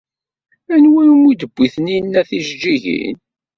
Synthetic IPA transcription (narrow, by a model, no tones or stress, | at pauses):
ænwænmid̪əbːiθəninːæθiʒd͡ʒiʝḭn